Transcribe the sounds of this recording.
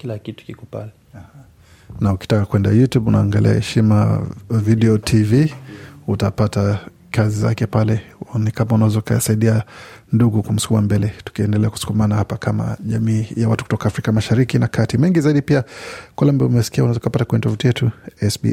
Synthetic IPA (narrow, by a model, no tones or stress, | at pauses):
kilakitu̥kikupa̰lia | nauki̥takakwɛnda̰jutjubunʔaːŋɡalḭa̰hɛʃima̰viɗɛɔtʰiviutapata | kaziza̰kɛpalɛnikamaunaazɔuka̰asaiɗianduɡukum̩su̥kumambɛlɛtu̥kiɛndɛlɛaku̥su̥kumanahapakʰama̰ʄamiːjawatuku̥tɔkaːfɾikamaʃaɾikinakʰatimɛŋɡizaiɗipiakwalambaɔumɛsi̥kiaunazɔukapatakwɛɲɛtɔvutijɛtuɛsbḭ